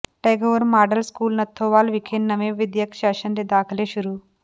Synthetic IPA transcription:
ʈeːɡoːʋɐɾmaːɖɐlskuːlnɐt̪ʰːoːʋaːlʋikʰeːnːɐmeːʋid̪jɐkʃaːʃɐnɾed̪aːkʰɐleːʃuɾu

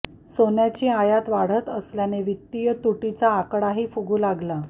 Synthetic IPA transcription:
sonjat͡ɕiːajat̪ʋaɽ̤ət̪əsljaneʋit̪ːijət̪uʈit͡saːkɽaɦiːfuɡuːlaɡla

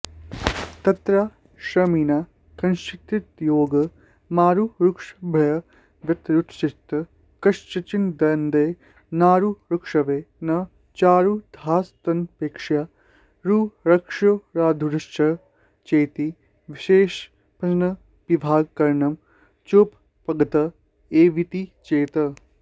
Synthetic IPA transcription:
t̪ɐt̪ɾaː | ʃɐmiːnaː | kɐnʃt͡ʃit̪ɾit̪joːɡɐ | maːɾuɾukʂɐbʱɐjɐ | d̪ɐt̪ɾuʈ̪ʰʃist̪ɐ | kɐʃt͡ʃɐt͡ʃind̪ɐnd̪eː | naːɾuɾukʂɐʋeːnɐ | t͡ʃaːɾud̪ʱaːst̪ɐnpeːkʂjaː | ɾuːɾɐkʂuɾaːd̪ʱuɾɐʃt͡ʃɐ | t͡ʃeːt̪i | ʋiʃeːʃ | pɐnɐ | pibʱaːɡkɐɾɳɐm | t͡ʃoːp | pɐɡɐt̪ɐ | eːʋit̪it͡ʃeːt̪ɐ

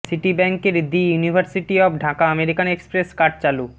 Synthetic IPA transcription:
siʈibɛŋkeɾd̪ijunibʱaɾsiʈiɔbɖʱakaəmeɾikanekspɾeskaʈ̚t͡ɕalu

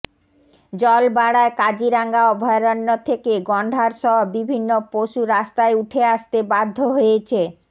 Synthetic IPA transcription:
d͡ʑɔlbaɽaekad͡ʑiɾaŋɡaɔbʱɔeɾɔnːot̪ʰekeɡɔɳɖʱaɾʃɔɦobibʱinːopoʃuɾast̪aeuʈʰeaʃt̪ebad̪ʱːoɦojet͡ɕʰe

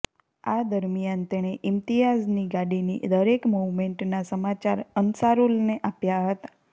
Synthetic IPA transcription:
ad̪əɾmijant̪eɽ̃eʔɪmt̪ijad͡ʒniɡaɽinḭd̪əɾekmuʋmeɳʈnasəmat͡ʃaɾənsaɾulneʔapjaɦət̪ḁ

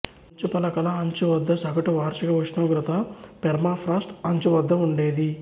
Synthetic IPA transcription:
ɐɲt͡ʃupɐlɐkɐlɐɐɲt͡ʃuʋɐd̪ːɐsɐkɐʈuʋaːɾt͡ʃikɐʋuʂnɐːɡɾɐt̪ɐpɛɾmaːpʰɾaːsʈɐɲt͡ʃuʋɐd̪ːɐuɳɖeːd̪i

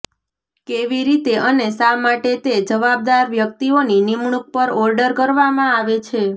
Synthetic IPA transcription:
keʋiɾit̪eʔənesamaʈet̪ed͡ʒəʋab̚d̪aɾʋjək̚t̪ioninimɳ̃uk̚pəɾɔɾɖəɾkəɾʋamãaʋet͡ʃʰe

